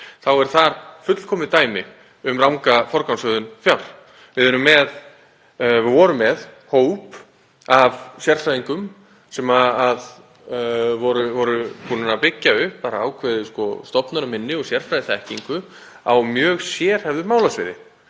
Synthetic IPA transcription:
θawɛɾ̥θaɾfʏt̪l̥kʰɔːmɪt̪aːjmɪ | ʏmrawŋkafɔɾkawnsœːðʏnfjawɾ̥ | vɪðʏnʏmːɛð | vɪvɔɾʏmːɛðhoːwp | avsjɛr̥fɾajðiŋkʏm | sɛmaað | vɔɾʏvɔɾʏpʰuːnanapɪcːaʏhpːaːɾaːwkʰvɛːðʏskɔst̪ɔpnaɾʏmɪnːɪɔɣsjɛr̥fɾajðɪθɛhciŋkʏ | a̰wmjœːɣsjɛːɾ̥hɛvðʏmaːwlasvɪ̰ːðɪ̰

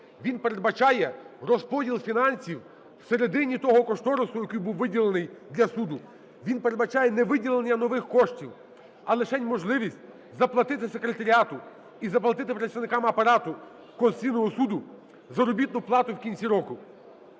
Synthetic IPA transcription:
ʋʲinpe̞ɾed̪bɐt͡ʃɑjɛrɔspɔdʲilˠfʲinɑnʲsʲiw | wse̞ɾed̪ɪnʲit̪ɔɦɔkɔʃt̪ɔɾosʊjɐkujbuwʋɪdʲilˠenɪjd̪lʲɐsud̪ʊ | ʋʲinpeɾed̪bɐt͡ʃɑjɛnɛʋɪdʲilˠenʲːɐnɔʋɪxkɔʃtʲiw | ɐlˠɪʃɛnʲmɔʒlˠɪʋʲisʲtʲ | zɐplˠɐt̪ɪt̪ɪsekɾet̪ɐɾʲiɑt̪ʊ | izɐplˠɐt̪ɪt̪ɪpɾɐtsʲt̪ɐʋnɪkɑmɐpɐɾɑt̪ʊ | kɔnʲijnɔɦɔsud̪ʊ | zɐɾɔbʲit̪nʊplˠɑt̪ʊwkʲinʲt͡sʲiɾɔkʊ

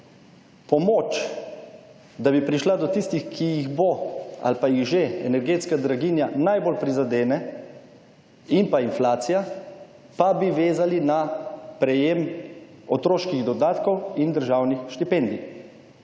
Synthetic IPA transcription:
pɔmoːt͡ʃ | d̪abipɾiʃlad̪ɔt̪ist̪ixkijiɣboa̰lpajiɣʒeɛnɛɾɡeːt̪skad̪ɾaɡinjanajbolpɾizad̪eːnɛ | impainflaːt̪sija | pabiʋeːzalinapɾɛjem | ɔt̪ɾoːʃkiɣd̪ɔd̪aːt̪kɔwind̪əɾʒaːwnixʃt̪ipɛnd̪i

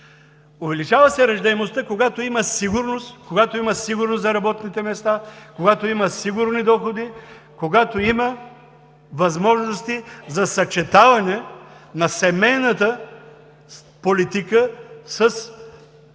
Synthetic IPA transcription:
ʊvɛlit͡ʃavɐsɛɾɐʒd̪ɐɛmost̪əkoɡat̪oimɐsiɡʊɾnost̪koɡat̪oimɐsiɡʊɾnoszɐɾɐbɔt̪nit̪ɛmɛst̪akoɡat̪oimɐsiɡʊɾnid̪ɔxod̪i | koɡat̪oimɐ | vɐzmɔʒnost̪izɐsɐt͡ʃɛt̪avɐnɛnɐsɛmɛjnət̪ə | polit̪ikəsəs

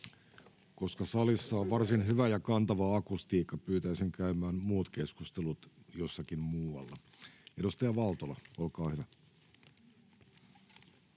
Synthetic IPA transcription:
ko̞skɑsɑlisːɑoʋʋɑrsinɦyʋæjɑkɑnt̪ɑʋɑɑkust̪iːkːɑpyːt̪æisiŋkæymæːmmuːt̪ke̞skust̪elut̪jo̞sːɑkimmuːɑ̰lːɑ | edust̪ɑjɑʋɑlt̪olɑolkɑːhyʋæ

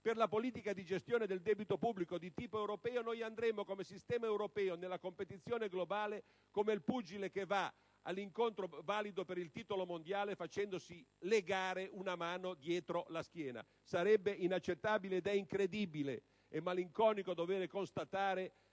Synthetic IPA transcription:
perlapoliːt̪ikad̪id͡ʒest̪joːned̪eld̪ɛbit̪opubːlikod̪it̪iːpoewɾopɛːonojand̪ɾɛmːokomesist̪ɛːmaewɾopɛːonelːakompet̪it̪sːjoːneɡlobaːle | komelpud͡ʒilekeva | a̰lːiŋkont̪ɾovaːlid̪opeɾilt̪iːt̪olomond̪jaːlefat͡ʃɛnd̪osileɡaːɾeunamaːnod̪jɛːt̪ɾolask̟jɛːna̰ | saɾɛbːeinat͡ʃːet̪ːaːbileːd̪ɛiŋkɾed̪ibilḛ | emːaliŋkɔːnikod̪ovɛːɾekonst̪at̪aːɾe

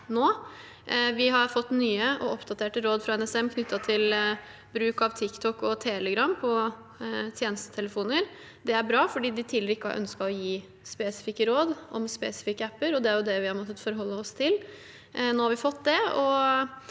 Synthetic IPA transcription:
noː | ʋɪɦɑɾfɔt̪ːnyːəʔɔʔɔpd̪ɑt̪ʰeːʈəɾoːd̪fɾɑɛnɛsɛmkʰnʏt̪ːɑt̪ʰɪl | bɾʉːkɑʋt̪ʰɪkt̪ʰɔkːɔt̪ʰɛːləɡɾɑmːpʰɔ | t̪ʰjeːnəst̪ə̥t̪ʰɛləfuːnəɾ | d̪ɛæɾbɾɑːfɔɖiːd̪ɪt̪ʰiːləɾəɪkːəhɑ̰ɾʔœ̰nskɑɔjiː | spɛsɪ̥fɪkːəɾoːd̪ʔɔ̰mspɛːsɪ̥fɪkːəæpːəɾɔd̪ɛæɾjʊd̪ɛʋɪhɑɾmɔt̪ːət̪fɔɾɦɔlːəɔst̪ʰɪl | noːhɑɾʋɪfɔt̪ːd̪ɛɔ

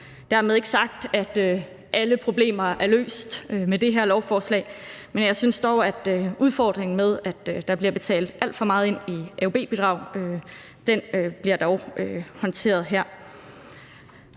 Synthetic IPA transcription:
d̥æɐmeðˠe̝ɡ̥əsɑ̈ɡ̥̚d̥æd̥ø | ʔæləpʰʁo̝b̥le̝̰ːmɐæɐlø̰ːsd̥ømed̥e̝ɦæɐlɒʊfɒːslɛ̰ːɪmenjɑ̈ɪsynsd̥ɒʊæd̥øʔuð̞ˠfɒ̰ːd̥ʁeŋn̩með̞ˠæd̥d̥ɑ̈b̥liɐb̥e̝t͡sʰɛ̰ːld̥æl̰d̥fɒ̽mɑ̈ːð̞̩ˠe̝n̰iæob̥e̝̰ːb̥ed̥ʁɑ̈ʊ̰ø | d̥enøb̥liɐd̥ɒʊøhɒ̽nt͡sʰe̝̰ːɐð̞ˠɦæɐ̰

